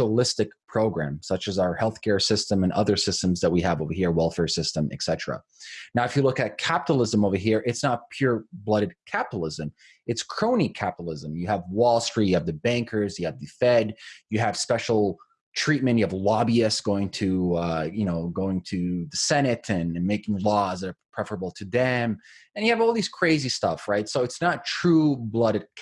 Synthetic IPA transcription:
oʊlɪstɨk̚pʰɹ̥oʊɡɹæ̰̃msʌt͡ʃɨzaʊə˞hɛlˠθkʰɛɹsɪstə̃mɨ̃nʔʌðə˞sɪstə̃mzðət̚wiɨvoʊvə˞hiɹwɛlˠfɛɹsɪstə̃mɨ̰ksɛɾəɹə̰ | naʊɨfjɨlʊkɨt̚kʰæpəɾl̩ˠɪzə̃moʊvə˞ɦiɹʔɨtsnət̚pʰj̥ʊɹblʌɾɨd̚kʰæpəɾl̩ˠɪzɨ̃m | ɨtskʰɹ̥õʊ̃nikʰæpəɾl̩ˠɪzə̃mjɨːvwɔlˠstɹ̥it̚jɨɨvðɨbæ̃ŋkʰə˞zjɨɨvðɨfɛdjɨɨv̥spɛʃl̩ˠ | tʰɹ̥it̚mɨ̃njɨəvlɑbiɨsɡ̥oʊɪ̃ŋtʰɨʌjɨñoʊɡoʊɪ̃ŋtʰɨðɨsɛñɨɾɨ̃nmeɪkɪ̃ŋlɔzðɨɾə˞pʰɹ̥ɛfə˞əbl̩ˠtʰɨðɛ̃mɨ̃njɨɨvɔlˠðiz̥kʰɹ̥eɪzistʌfɹaɪtsoʊɨtsnətʰɹ̥ublʌɾɨd̚

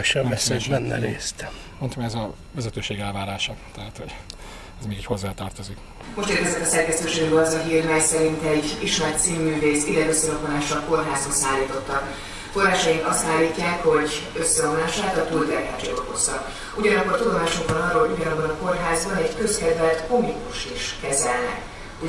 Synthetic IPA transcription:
ʃɛmɛsɛmɛnːʔɛ̰ɾḛːst̪ | mont̪ʰɒmɛzɒ | vɛzɛt̪øːʃeːɡɛlvaːɾaːʃɒt̪ɛɦat̪hoɟ | ɛzmeːɡɛcho̞zːaːt̪ɒrt̪ozik | mo̞ʃt̪ikɛzɛk̪ɒsɛrkɛst̪øːʃeːɡbɛɒzɒɦiːrmɛjsɛɾint̪ɛɟiʃmɛrt̪siːmːyːveːsilːɛt̪øsːɛlokonlaːʃɒko̞rɦaːzonsaːlːiːt̪o̞t̪ːɒk | fo̞rɦaːʃɒjiŋkɒst̪aːlːiːcːaːkho̞ɟøsːɛomlaːʃaːt̪ɒt̪uːlt̪ɛka̰ːd͡ʒḛo̰ko̞sɒ̰k | uɟɒnɒkːo̞rt̪ud̪omaːʃoŋkvɒnɒrːoːlɦoɟuɟɒnɒbːɒnɒko̞rɦaːzbɒnɛɟkøskɛd̪vɛt̪komikuʃiʃkɛzɛlnɛ̰k | u

